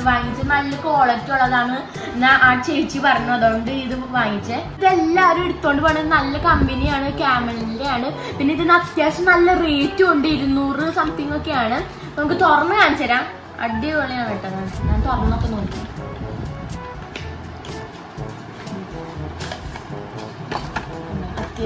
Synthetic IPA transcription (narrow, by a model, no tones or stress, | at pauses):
ʋaːŋit͡ɕːɨnɐlːɐko̞ːɭek̚t͡ɕːuɭːɐðaːɳɨ | naːʔaːʈt͡ɕe̞jt͡ɕːɨpɐrɐɲːɐɐðoːɳɖɨiðɨʋaːŋit͡ɕːɨiðe̞lːaːoɾueɽut̪ːoːɳɖɨpɐrɳːɐnɐlːɐkɐmbenijaːɳɨkaːmɐɭidejaːɳɨ | pinːeiðinːɐt̪jaːɕɐmnɐlːɐriːtːɨuɳɖɨiɾunːuːrɨsɐmt̪ʰiŋːokːe̞jaːɳɨ | nɐmɐk̬ːɨt̪orɐnːɐɲaːnt͡ɕeɾaːm | ɐ̰ɖioɭːejaːnɐiʈːɐnːaɳɲaːnt̪orɐnːokːenoːkːikːa | nːɐt̪